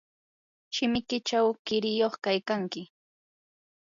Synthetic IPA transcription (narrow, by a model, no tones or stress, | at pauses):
ʃɪmɪkɪt͡ʃawkɪɾɪjoχkajkaŋkɪ